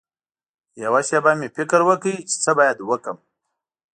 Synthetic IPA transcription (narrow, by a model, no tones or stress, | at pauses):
jawaʃabamefɪkɾwəkəit͡ʃɪ̥t͡səbajad̪wəkəm